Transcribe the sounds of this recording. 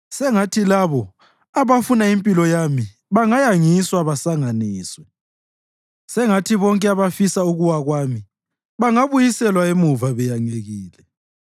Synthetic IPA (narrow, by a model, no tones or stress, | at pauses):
sɛŋatʰilaβɔ | aβafunaimpʼilɔjami | βaŋajaŋiswaβasaŋaniːswɛ | sɛŋatʰiβɔŋkʼɛaβafisauɣuwaɣwaːmi | βaŋaβujisɛlwaemuvaβɛjaŋeɣiːlɛ